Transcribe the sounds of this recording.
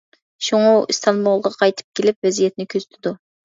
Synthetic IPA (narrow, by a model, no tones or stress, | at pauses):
ʃuŋuist̪ʰɑnbulˠʁɑqʰɑjt̪ʰɨ̥p̚kʲʰelɪpvɛzijɛt̪̚nɪkʲʰøzyt̪ʰɪd̪u